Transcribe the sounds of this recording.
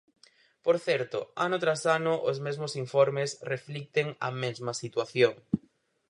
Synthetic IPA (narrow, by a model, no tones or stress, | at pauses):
poɾθɛɾt̪ʊanʊt̪ɾasanʊʔʊzmezmosiɱfoɾmesreflik̚t̪eŋɐ̰mezmɐsit̪waθjoŋ